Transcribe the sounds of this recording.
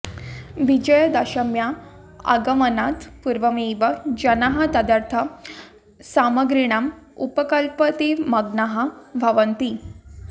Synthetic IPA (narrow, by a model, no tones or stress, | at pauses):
ʋid͡ʑəjəd̪ɐɕəmja | a̰ɡəmənat̪puɾʋəmiʋəd͡ʑɐnaɦət̪əd̪aɾt̪ʰə | saməɡɾiɽ̃am | upəkəlpət̪imɐɡnaɦabʱəʋənt̪i